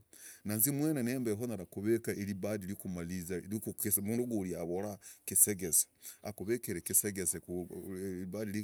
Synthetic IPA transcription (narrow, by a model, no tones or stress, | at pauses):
nanzimweneneːmbeɦonaɾakuβekaʔeɾiβadilikumalizaikuksmunduɡuliaβoɾakiseɡesḁa̰kuβekeɾekiseɡese | βadiɾi